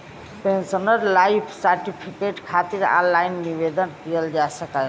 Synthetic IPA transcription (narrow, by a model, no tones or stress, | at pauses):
pẽnsənəɾlaipʰsəɾʈipʰikeʈkʰat̪iɾã̰nlainːiβed̪ənkijəld͡ʒasəkə